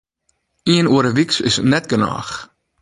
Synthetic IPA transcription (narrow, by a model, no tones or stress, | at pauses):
iənuəɾəviksɪ̰snɛt̚ɡənɑ̰ːχ